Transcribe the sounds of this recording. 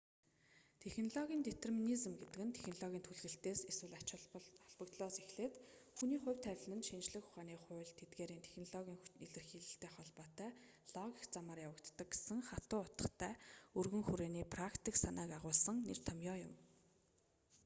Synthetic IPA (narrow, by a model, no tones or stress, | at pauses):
t̪ʰexnɔɮɔɣʲiːnt̪et̪ʰerminizɘ̆mɡet̪ɘ̆kɘ̆nt̪ʰe̥xnɔɮɔɣʲiːnt̪ʰuɮɣɘ̆ɬt̪eːseswɘ̆ɮat͡ɕaɮpə̆kt̪ɮɔːsexɮeːt̪xuniːχʊ̟wʲt̪ʰæwʲɮnə̆nt̪ʃint͡ɕɮɘ̆xʊ̥χaːniːχʊːɮt̪ʰːet̪ɡeːɾiːnt̪ʰe̥xnɔɮɔɣʲiːŋiɮɘ̆rxiːɮɘ̆ɬt̪eːχɔɮpɔːt̪æː | ɮ̥ɔɣʲikt͡samaːrjawə̆kt̪ːə̆k̚ɡe̥sɘ̆ŋχat̪ʊːʊt̪ə̥̆χt̪ʰæːɵrɣɵ̆ŋxuɾeːniːpʰrakt̪ʰiksanaːkaʁʊːɮsə̆ŋner̥t̪ʰamjɔːjʊ̰m